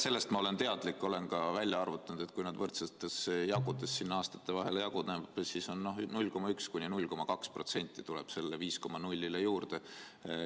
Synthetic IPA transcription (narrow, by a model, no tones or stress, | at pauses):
se̞lːe̞st̪mɑo̞le̞nt̪e̞ɑd̪̥likːˑo̞le̞nkɑvælʲjɑɑrvut̪ːˑɑnud̪e̞t̪̚kujnɑd̪vɤrt̪set̪ːˑe̞sjɑɡud̪esːinːɑɑːst̪ɑ̥t̪ːˑe̞vɑɦelejɑɡud̪neb̥siso̞nːno̞ɦnulʲːko̞mɑykskunʲinulʲko̞mɑkɑkspro̞t̪se̞nʲt̪ˑːit̪ulɛb̥se̞lːeviːsko̞mɑnulʲːilejuːrd̪e̞